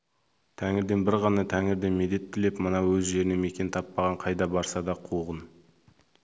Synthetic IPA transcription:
t̪ʰæŋɪɾd̪e̞nbɪɾʁɑnɑt̪ʰæŋɪɾd̪e̞nme̞d̪e̞t̪ʰːɪle̞pmənɑwɵzʒe̞ɾɪne̞me̞kʲe̞nt̪ʰɑpːɑʁɑɴqʰɑjd̪ɑbɑɾsɑd̪ɑqʰuʁən

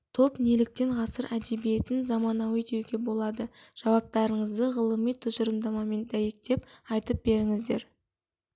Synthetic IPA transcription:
t̪ʰo̞pnelɪk̚t̪e̞ɴqʰɑsəɾʔæd̪e̞bije̞t̪ɪnzɑmɑnɑwet̪ewɡʲe̞bo̞lˠɑd̪əʒ̥ɑwɑp̚t̪ɑɾəɴəzd̪əʁəlˠəmijt̪ʰʊzʒəɾəmd̪ɑmɑme̞nd̪æje̞k̚t̪e̞pɑjt̪əp̚be̞ɾɪŋɪzd̪e̞ɾ

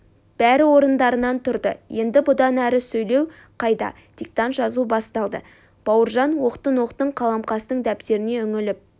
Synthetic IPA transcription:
b̥æɾɪwo̞ɾənd̪ɑɾənɑnt̪ʰʊɾd̪ə̰je̞nd̪ɪbʊd̪ɑnæɾɪsɵjle̞w | qʰɑjd̪ɑ̰ | d̪̥ʲik̚t̪ɑnt̪ʒɑzubɑst̪ɑlˠd̪ə̰ | b̥ɑwəɾʒɑnwo̞qt̪ənwo̞qt̪əɴqʰɑlˠɑmqɑst̪əɴd̪æpt̪e̞ɾɪne̞ʏŋɪlɪp̚

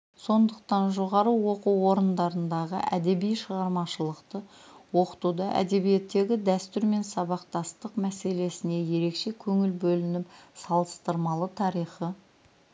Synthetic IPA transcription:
so̞nd̪əqt̪ɑnʒo̞ʁɑɾəwo̞quwwo̞ɾənd̪ɑɾənd̪ɑʁə̰ʔæd̪e̞bijʃəʁɑɾmɑʃəlˠəqt̪ə | wo̞qə̥t̪ud̪ɑʔæ̰d̪e̞bije̞t̪ːe̞ɡʲɪd̪æst̪ʏɾme̞nsɑβɑq̚t̪ɑst̪əqmæse̞le̞sɪne̞je̞ɾe̞kʃe̞kʲʰɵŋɪlbɵlɪnɪpsɑlˠəst̪əɾmɑlˠət̪ʰɑɾijχə

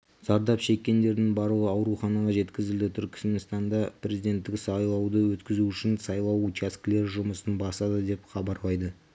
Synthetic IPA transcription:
z̥ɑɾd̪ɑpʃe̞kʲːe̞nd̪e̞ɾd̪ɪŋbɑɾuəɑwɾuχɑnɑʁɑʒe̞t̪kʲɪzɪld̪ɪt̪ʰʏɾkʲʰɪ̥smenst̪ɑnd̪ɑpʰɾe̞zijd̪e̞nt̪ːɪksɑjlˠɑwd̪əwɵt̪kʲɪzuʏʃɪnsɑjlˠɑwut͡ʃʰesklʲe̞ɾʒʊməsənbɑsɑd̪əd̪e̞pχɑbɑɾlˠɑjd̪ə

